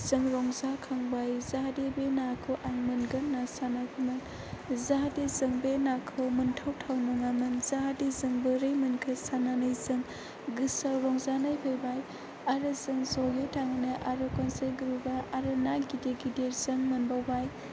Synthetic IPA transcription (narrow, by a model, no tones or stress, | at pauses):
z̥ɯŋɾɔŋzakʰaŋbajzaɦdebenakʰɯwʔaŋmɯnɡɯnnːasanakʰɯmɯn | zaɦadezɯŋbenakʰɯwmɯntʰawtʰawnɯŋamɯnzaadezɯŋbɯɾɯjmɯnkʰɯsananɯjzɯŋ | ɡɯsawɾɔŋzanajbʰɯjbaj | aɾɯzɯŋzɔjetʰaŋnɯʔaɾokɔnsajɡɯɾubaʔaɾɯnaɡideɡideɾzɯŋmɐnbawbaj